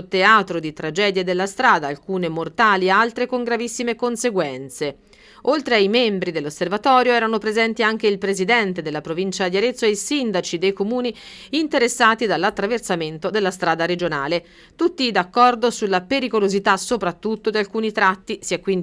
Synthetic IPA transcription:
t̪eaːt̪ɾod̪it̪ɾad͡ʒɛːd̪jed̪elːast̪ɾaːd̪aːlkuːnemort̪aːliealt̪ɾekoŋɡɾavisːimekonseɡwɛnt̪se | olt̪ɾeajmembɾid̪elːosːervat̪ɔːɾjoɛːɾanopɾezɛnt̪iaŋk̟eilpɾezid̪ɛnt̪ed̪elːapɾovint͡ʃad̪jaɾet̪sːoeisind̪at͡ʃid̪ejkomuːniː | nt̪eɾesːaːt̪id̪alːat̪ːɾaversament̪od̪elːast̪ɾaːd̪aɾed͡ʒonaːle | t̪ut̪ːid̪akːɔrd̪osulːapeɾikolozit̪asːopɾat̪ːut̪ːod̪ialkuːnit̪ɾat̪ːisiɛkːwin

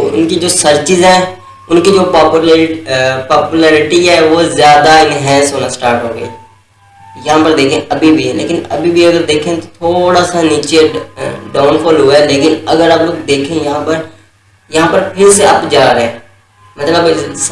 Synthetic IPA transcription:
ʊ̰nkid͡ʒoːsəɾt͡ʃɪzɦɛ̃ː | ʊnkid͡ʒoːpaːpul | paːpulɛːɾɪʈiɦɛːʋoːzjaːd̪aɪnɦɛ̃ːsɦoːnasʈaːɾʈɦoːɡəḭː | jɐɦãpəɾd̪eːkʰẽʔɐbʱibʱilḛːkɪnɐ̰bʱibʱiɐɡəɾd̪eːkʰẽt̪ot̪ʰoːɽasaniːt͡ʃeɖaːʊnpʰɔːlɦʊeleːkɪnɐɡəɾaːpd̪eːkʰẽjɐɦãpəɾ | jɐɦãpəɾpʰɪɾseaːpd͡ʒaːɾeɦẽː | mɐt̪ləb

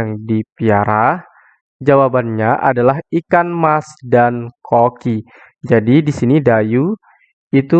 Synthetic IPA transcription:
aŋdipiaɾah | d͡ʒawabanɲaʔa̰dalaɦikanmasdankʰoki | d͡ʒadidisinidaju | it̪u

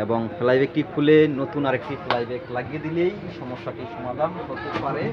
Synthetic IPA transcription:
eboŋflajbek̚ʈikʰulenot̪unaɾek̚ʈiflajbeklaɡied̪ilej | ʃɔmoʃːaʈiʃɔmad̪ʱanɦoɾt̪epaɾe

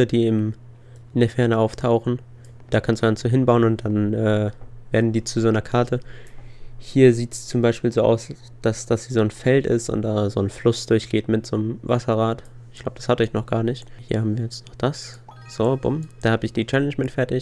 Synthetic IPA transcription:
ədiːɪm | ɪndeːɐfɛɐnəʔaʊftʰaʊxn̩ | d̥aːkʰanstd̥uːɡ̥anstuɦɪnbaʊənʊnt̚d̥anʔɛːv̥eːɐdn̩diːt͡suzoːnɐkʰaɐtʰə | hiːɐziːtst͡sʊmbaɪʃpiːlzoːʔa̰ʊs | d̥asd̥asz̥iːzoːnfɛltɪ̰stʊ̰ntd̥aːzoːnflʊsd̥ʊɐçɡ̥eːtmɪtz̥oːnəmva̰sɐʁaːtɪçɡ̥laʊbə̥dashatɔçnɔχɡ̥aːɐnɪçthiːɐhabmviːɐjɛt͡stnɔχd̥as | z̥oːb̥ʊ̰md̥aːhaːbəɪçd̥iːt͡ʃɛlɛnd͡ʒmɪtfɛɐtɪç

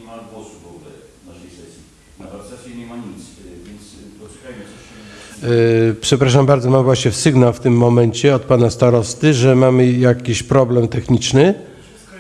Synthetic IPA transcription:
i | pʂɛpɾaʂambaɾd̪zɔmamvwaɕɲɛfsɘɡnawft̪ɘmːɔmɛɲt͡ɕɛɔt̪̚panast̪aɾɔst̪ɘʐɛmamɘjakʲiɕpɾɔblɛmt̪ɛxɲit͡ʂnɘ

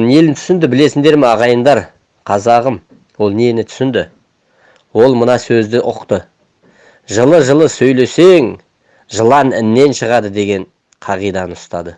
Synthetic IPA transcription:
ne̞lɪnt̪ʰʏ̥sɪnd̪ɪbɪle̞sɪnd̪e̞ɾmeɑʁɑjənd̪ɑɾ | qʰɑzɑʁəm | wo̞lˠnenɪt̪ʰʏ̥sɪnd̪ɪ | wo̞lˠmənɑsɵzd̪ɪʔʊqt̪ə | ʒəlˠəʒəlˠəsɵjle̞se̞ŋ | ʒəlˠɑnɪnːe̞nʃəʁɑd̪əd̪e̞ɡʲe̞ɴ | qʰɑʁijd̪ɑnəʊst̪ɑd̪ə

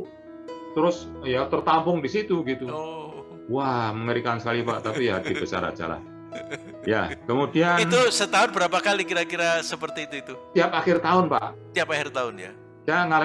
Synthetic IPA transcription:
t̪əɾʊs | jat̪ərt̪ampʊŋdisit̪uɡit̪u | wahməŋəɾikansə̥kalipa̰ʔt̪apijaat̪ibət͡ʃa̰ɾa̰t͡ʃa̰ɾa̰ | ja̰kəmudiainusət̪aʊnbəɾapakalikiɾakiɾasəpərt̪iːt̪uit̪ut̪iapaxɪrt̪aʊnpa̰ʔt̪iapaxɪrt̪aʊnja̰ | d͡ʒaŋal

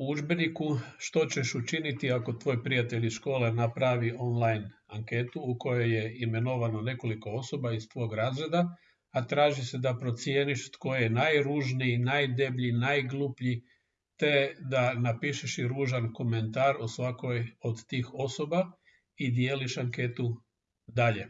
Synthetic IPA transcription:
uuʒbenikuʃt̪o̞t͡ɕeʃut͡ʃinit̪iako̞t̪ʋo̞ːjpɾijat̪eʎiʃko̞ːlenapɾaʋio̞nlˠajnaŋke̞t̪uːko̞joje̞ime̞no̞ʋano̞ne̞ko̞liko̞o̞so̞baist̪ʋo̞ɡɾaːzɾe̞d̪a | at̪ɾaːʒise̞d̪apɾo̞t̪sjeːniʃot̪ko̞jejenajɾuʒniːnajd̪e̞bʎinajɡlupʎi | t̪e̞d̪anapiːʃeʃiɾuːʒanko̞me̞nt̪aːɾosʋakojod̪t̪iːxo̞so̞ba | id̪jeːliʃaŋke̞ːt̪u | d̪aʎe̞

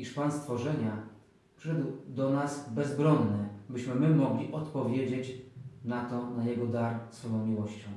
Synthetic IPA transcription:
iʂpanst̪fɔʐɛɲa | pʂɘ̥ʂɛd̪wd̪ɔnasbɛzbɾɔnːɛbɘɕmɘmɘmɔɡlʲiʔɔt̪pɔvʲjed͡ʑet͡ɕnat̪ɔnajɛɡɔd̪aɾsfɔjɔ̃w̃mʲiwɔɕt͡ɕɔ̃w̃

